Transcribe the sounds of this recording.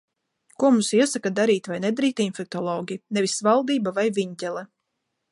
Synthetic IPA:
kuɔmusiɛsakad̪aɾiːt̪vajned̪aɾiːt̪infɛk̚t̪ɔlˠɔːɡʲinɛvisvalˠd̪iːbavajvʲiɲt̪ʲɛlˠɛ

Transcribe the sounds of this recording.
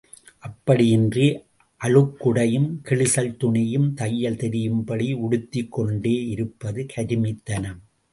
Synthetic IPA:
ʔɐpːɐɽɪjɪndri | ʔɐɻɯkːʊɽɐjɯmkɪɭɪsɐlt̪ʊɳɪjɯmt̪ɐjːɐlt̪ɛɾɪjɯmbɐɽiʊɽɯt̪ːɪkːɔɳɖeːɪɾɯpːɐðɯkʰɐɾɪmɪt̪ːɐnɐ

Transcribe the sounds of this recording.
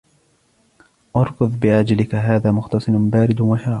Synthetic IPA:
ʔɑɾˤɡʊðˤbɪʕad͡ʒalɪkaɦaːðaːmʊxt̪ɑsˤɨnbaːɾɪd̪waħɑɾ

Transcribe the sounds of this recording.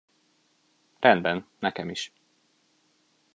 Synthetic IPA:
rɛnd̪bɛnnɛkɛmiʃ

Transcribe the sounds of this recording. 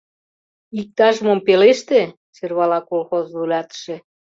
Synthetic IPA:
ik̚t̪ɑʒəmŏmpeleʃt̪e | t͡ɕerβɑlɑkolxozlulʲɑt̪ə̥ʃĕ

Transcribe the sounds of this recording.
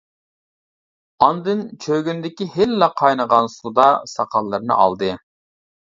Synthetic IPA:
ɑnd̪ɨnt͡ʃʰøɡʲynd̪ɪkʲiɦɪlːɛqʰɑjnəʁɑnsud̪ɑsɑqʰɑlˠːɨɾnɨ̰ʔɑ̰lˠd̪ɨ

